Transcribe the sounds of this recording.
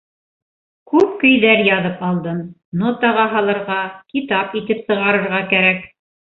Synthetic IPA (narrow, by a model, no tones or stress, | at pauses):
kʉp̚kɵ̆jðæɾjɑðɤpɑlˠd̪ɤm | not̪ɑʁɑɦɑlˠɤ̆ɾʁɑkit̪ɑpit̪ɘpsɤ̆ʁɑɾɤ̆ɾʁɑkæɾæk